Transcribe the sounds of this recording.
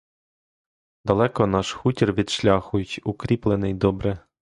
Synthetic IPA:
d̪ɐlˠɛkɔnɑʃxutʲirʋʲid̪ʃlʲɑxʊjʊtʲʊkɾʲiplˠenɪjd̪ɔbɾɛ

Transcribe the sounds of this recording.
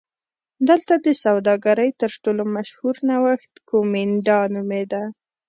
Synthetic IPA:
d̪əlt̪ad̪əsawd̪ɑɡaɾəjt̪əɾʈolomaʃhuɾnawaxt̪komiɳɖɑnumed̪a

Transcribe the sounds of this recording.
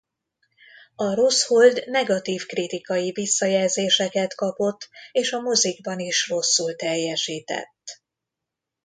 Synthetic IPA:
ɒɾo̞sho̞ld̪nɛɡɒt̪iːfkrit̪ikɒjivisːɒjɛlzeːʃɛkɛt̪kɒpo̞t̪ːeːʃɒmoziɡ̚bɒniʃro̞sːult̪ɛjːɛʃiːt̪ɛ̰t̪ː

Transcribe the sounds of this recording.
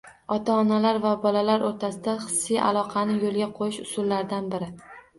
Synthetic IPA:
ɒt̪ʰaːnalaɾvabɒlalaɾoɾt̪ʰasɪd̪aχɨ̥sːijʔa̰lˠɒqʰɑnɪjolˠɡʲaqʰojɪʃʊsʊlːaɾd̪anbɪɾɪ

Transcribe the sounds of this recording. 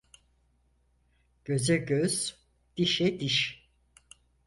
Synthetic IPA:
ɟ̥øzɛɟøz̥ | d̪̥iʃɛd̪iʃ

